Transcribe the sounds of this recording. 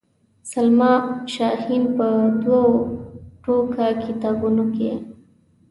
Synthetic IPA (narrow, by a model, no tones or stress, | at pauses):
salmɑʃɑhinpəd̪waoʈokakʰɪt̪ɑbunoke